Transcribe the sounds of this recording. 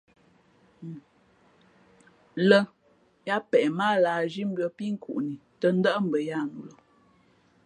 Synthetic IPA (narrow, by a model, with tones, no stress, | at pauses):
lə˦ | ja˦pɛ˨ʔma˦laː˨d͡ʒi˦m̩˦bjɔ˨pi˦ŋ̩˦kʰṵ˨ʔni˨tə˦n˦də˦ʔm̩˨bə˨ja˦˨nu˨lə˨